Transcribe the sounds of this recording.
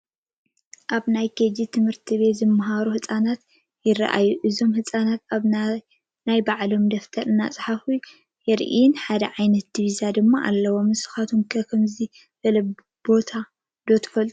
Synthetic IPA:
ʔaβnajked͡ʒit̪ʰɨmhɨɾt̪ʰiβe̞t̪zɨmːɐɦaɾuhɨsʼanat̪ | jɪra̰ʔa̰jːuʔɨzo̞mhɨsʼanat̪aβ | najbaʕlo̞md̪ɐft̪ʰɐɾɨnːa̰t͡sʼħafu | jɛɾʔḭnħad̪ɐʕajnɐt̪̚d̪iβizad̪ɨmːaʔa̰lːɐwo̞mːɨsɨ̥xat̪ʰomkʰɐkʰɐmzi | fɐlɐ | b̥o̞t̪ʰa | d̪o̞t̪ʰɐ̥fɐlt̪ʼu̥

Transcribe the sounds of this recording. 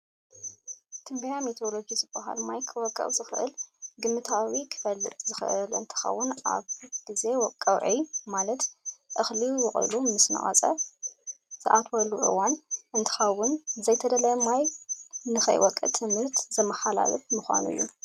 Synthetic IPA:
t̪ʰɨmbijamit̪ʰo̞lo̞d͡ʒizɨbaha̰lmajkʰɨwɔkʼːɐ̰χʼzɨxɨʔɨ̰lɡɨmːɨt̪ʰawikʰɨ̥fɐlːɨ̰t̪ʼzɨxɨʔɨlɨ̰nt̪ʰɨ̥xɐ̰wːʊna̰βɡ̥ize̞wɔkʼːɐwʕimalɐt̪ʔɨxliwɨχʼɨ̰lumɨsnɐ̰χʼɐ̰t͡sʼɐ | z̥ɨʔat̪ʰwɐlːuʔɨ̰wanʔɨnt̪ʰɨ̥xɐwʊnzɐjt̪ʰɐd̪ɐlɐmajnɨxɐ̰jwɔkʼːɨ̰t̪ʰɨmhɨɾt̪zɐmːɐħala̰lɐfmɨxʷa̰nṵjːṵ

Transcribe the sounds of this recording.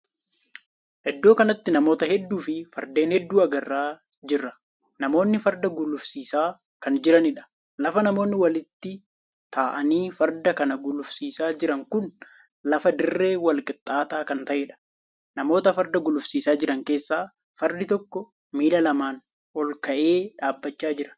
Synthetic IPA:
ʔɛd̪ːo̞ːkɐnɐt̪ːɪnɐmo̞ːt̪ɐhɛd̪ːuːfɪfɐɾd̪e̞ːnhɛd̪ːuːɐɡɐrːaː | d͡ʒɪrːɐ̥ | nɐmo̞ːnːɪfɐɾd̪ɐɡʊlːʊfsiːsaː | kɐnd͡ʒɪɾɐnɪᶑɐ̥ | lɐfɐnɐmoːnːɪwɐlɪt̪ːɪ | t̪aːʔɐniːfɐɾd̪ɐkɐnɐɡʊlʊfsiːsaːd͡ʒɪɾɐŋkʊn | lɐfɐd̪ɪrːe̞ːwɐlkʼɪt̪ʼːaːt̪aːkɐnt̪ɐʔeːᶑɐ̥ | nɐmo̞ːt̪ɐfɐɾd̪ɐɡʊlʊfsiːsaːd͡ʒɪɾɐŋke̞ːsːaː | fɐɾd̪ɪt̪ɔkːɔ | miːlɐlɐmaːn | ɔlkɐʔeːᶑaːbːɐt͡ʃːaːd͡ʒɪɾɐ̥n

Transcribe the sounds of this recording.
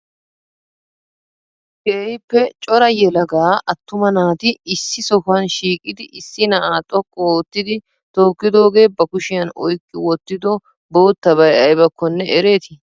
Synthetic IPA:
ɡeːjpːɛt͡ʃʼɔɾɐjɛlɐɡaːʔɐt̪ːʊmɐnaːt̪ɪɪsːɪsɔkɐnʃiːkʼːɪd̪ɪʔɪsːɪnɐʔaːt̪ʼɔkʼːɔoːt̪ːɪd̪ɪ | t̪oːkːɪd̪o̞ːɡe̞ːbɐkʊʃɪjɐnɔ̰jkʼːɪwɔt̪ːɪd̪ɔ | bo̞ːt̪ːɐβɐjɐjbɐkːɔnːɛɛɾe̞ːt̪ɪ

